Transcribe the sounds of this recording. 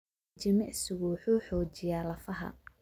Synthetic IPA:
t͡ʃɪmɛʔsɪɣʊwħuːħɔːt͡ʃɪjaːlɐfɐɦɐ̰

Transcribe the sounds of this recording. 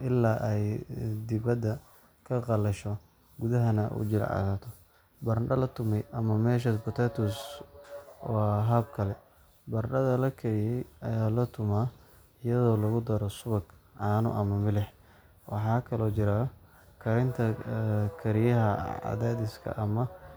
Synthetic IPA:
ʔɪlːaːʔɛjd̪ɪβɐd̪ɐ | kʰɐqɑlɐʃɔ | ɡʊðɐɦɐnɐṵd͡ʒɪl̰ʕɑ̰ðaːt̪ʰɔ | bɐɾɖɐlɐt̪ʰʊmɛjʔɐmɐmɛːʃ̬ɐspʊt̪ʰɛt̪ʰus | wwɑɦɐb̚kʰɐlɛ | bɐrɖɐðɐlɐkʰɐɾɪjɛjɐjaːlɐt̪ʰʊmaː | ɪjɐðɔːlɐɣʊd̪ɐɾɔsʊβɐɡʕɑːnʊ̰ʔɐmɐmɪlɛħ | wɑ̰ħɑːkʰɐlɔːt͡ʃɪɾa | kʰɐɾɪnt̪ʰɐkʰɐɾɪjɐɦɐɑ̰ðɛːd̪ɪskʰɐ̰ʔɐmɐ

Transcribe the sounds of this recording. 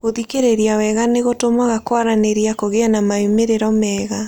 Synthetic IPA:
ɣoðikeɾeɾiawɛɣaneɣotomaɣakwaɾaneɾiakoɣeanamaemeɾeɾɔmɛːɣa

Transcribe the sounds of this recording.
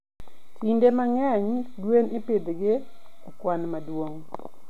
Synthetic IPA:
tindemaŋɛɲdweneped̪ɡe | ɔkwanmadwoŋ

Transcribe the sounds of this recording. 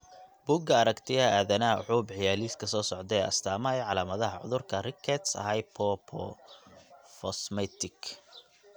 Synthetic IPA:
b̥uːɡɐɐɾɐkt̪ʰɪjɐaːðɐnɐʕuːbʕɪjaːliːskʰɐsɔːsɔʕd̪ɛɛːɐ̰st̪ʰaːmɐɛjʕɑlaːmɐðɐɦɐʕʊ̰ðʊrkʰɐrɪkʰːɛt̪sɐ̰ɦɐjpʰɔpʰɔ̰ | fɔsmɛt̪ʰɪk

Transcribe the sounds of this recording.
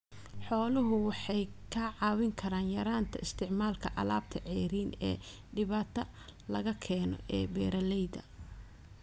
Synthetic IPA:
ħɔːlʊɦʊwɑħɑjkʰaːʕɑːwɪŋkʰɐɾaːnjɐɾaːnt̪ʰɐɪst̪ʰɪʕmaːlkʰɐʔɐ̰la̰ːb̚t̪ʰɐʕɛːɾiːnɛ̰ː | ɖɪβaːt̪ʰɐ | lɐɣɐkʰɛːnɔ̰ʔɛːbɛːɾɐlɛjd̪ɐ̰

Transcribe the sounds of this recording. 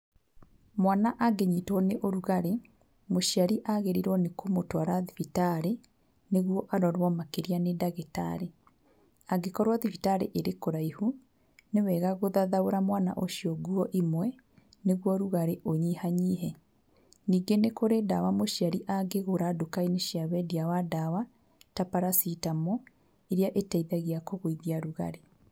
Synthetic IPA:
mwanaʔaɡeɲitwɔneʔoɾuɣaɾe | moʃiaɾiʔaɣeɾiɾwɔnekʰomotwaɾaðifitaɾe | neɣwɔʔaɾɔɾwɔmakeɾianedaɣeta̰ɾe | aɡekɔɾwaðifitaɾḛʔeɾekoɾaihu | newɛːɣaɣoðaðaoɾamwana̰ʔoʃiɔɡuɔʔimwɛ | neɣwɔɾuɣaɾeʔoɲihaɲiɦɛ | niːɡenekoɾedawamoʃiaɾiʔaɡeɣoɾadokaineʃiaβɛdiawadawa | tapaɾasitamɔ | eɾjaʔetaiðaɣeakoɣoiðiaɾuɣa̰ɾe

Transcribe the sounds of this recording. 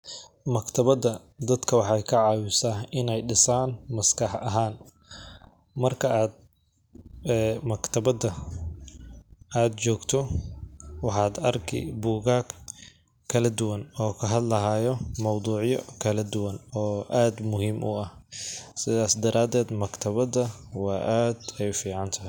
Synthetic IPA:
mɐkt̪ʰɐβɐðɐ | d̪ɐd̪kʰɐwɑħɑjkʰɐʕɑːwɪsaːɪnɛjɖɪsaːnmɐskʰɑħʔɐɦaːn | mɐrkʰɐaːd̪̚ | ɛːmɐkt̪ʰɐbɐðɐ | ʔaːd̪t͡ʃɔːɡt̪ʰɔ | wɑħɑːd̪ɐrkʰɪ̰buːɣaːk | kʰːɐlɐd̪ʊwɐnɔːkʰɐɦɐd̪lɐɦaːjɔmɑwd̪uːʕjɔkʰɐlɐd̪ʊwɐnɔːʔaːd̪mʊɦiːmʔʊ̰ɐh | sɪðaːsd̪ɐɾʔaːd̪ɛːd̪mɐkt̪ʰɐβɐðɐ | wɑːʔaːd̪ɛjfiːʕɑnt̪ʰɐɦɪj

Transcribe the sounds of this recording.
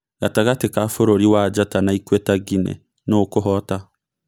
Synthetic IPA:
ɡataɣatekafoɾoɾiwad͡ʒatanaikwɛtaɡinḛ | nokoɦɔta

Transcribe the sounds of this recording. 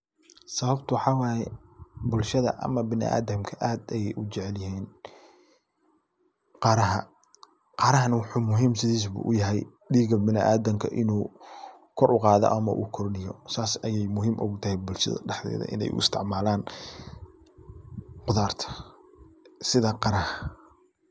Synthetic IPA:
sɐβɐbt̪ʰʊwħɑːwɑːjɛbʊlʃɐðɐ̰ʔɐ̰mɐbɪnɪ̰ʔa̰ːðɐmkʰɐʔaːd̪ɛjɛjʔʊt͡ʃɛʕɛljɪɦiːn | qɑːɾɐɦɐ | qɑːɾɐɦɐnɐwʊħuːmʊɦiːmsɪðiːs̬bṵːʔʊjɐɦɛj | ɖiːɡɐbɪnɪʔaːðɐmkʰɐ̰ʔɪnuː | kʰɔɾʊqɑːðɔ̰ʔɐmɐʔṵːkʰɔrnɪjɔ̰saːsɐjɛjmʊɦiːmʔɔɡt̪ʰɐhɛjbʊlʃɐ̰ðɐ̰ɖɛħðɛ̰ːðɐ̰ʔɪ̰nɛ̰jʔʊ̰ɪ̰st̪ʰɪʕmaːlaːn | qʊðaːrt̪ʰɐ̥ | sɪðɐqɑɾɐhɐ

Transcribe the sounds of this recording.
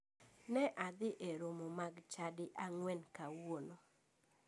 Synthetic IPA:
nɛʔad̪ɪʔeɾomomaɡt͡ʃadɪʔaŋwɛnkawwono

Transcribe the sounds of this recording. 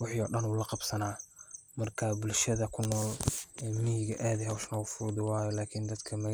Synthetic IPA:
wɑħiɔːɖɐnuːlɐqɑbsɐnaːmɐrkʰaːbʊlʃɐðɐkʰʊnːɔːlɛːmɪhɪɣɐʔaːðɪhɛwʃnɐɣʊfʊɾd̪ɪwaːjɔlaːkʰind̪ɐd̪kʰɐmɐɣ

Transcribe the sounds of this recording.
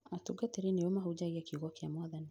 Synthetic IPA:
atuɡat̪eɾiniomaɦud͡ʒaiakiɣɔkiamaðani

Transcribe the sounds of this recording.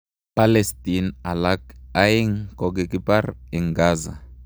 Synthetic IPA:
palestinalakajiŋkɔɡɛkiparɛŋɡaːza̰

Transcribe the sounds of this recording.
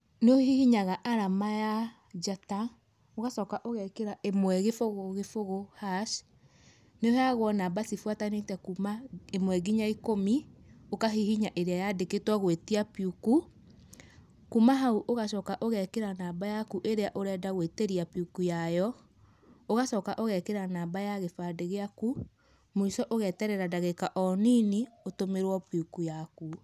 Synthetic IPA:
neohihiɲaɣaʔaɾamaja | d͡ʒata | oɣaʃɔːkaʔoɣɛkeɾaʔemwɛɣefoɣoɣefoɣohaʃ | neoheaɣwɔnabasifwatanetɛkumaemwɛɡiɲaikomiokaɦihiɲaʔeɾeajadeketwɔɣwetiapiuku | kumaɦauʔoɣaʃɔːkaʔoɣɛkeɾanaːbajakuʔeɾeaʔoɾɛːdaɣweteɾiapiukujajɔ | oɣaʃɔːkaʔoɣɛkeɾanaːbajaɣefadeɣeaku | muisɔʔoɣɛːtɛɾɛɾadaɣekaʔɔniniotomeɾwɔpiukujaku

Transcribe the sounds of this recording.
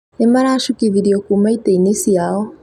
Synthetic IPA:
nemaɾaːʃukiðiɾiɔkumaiteinisiaɔ

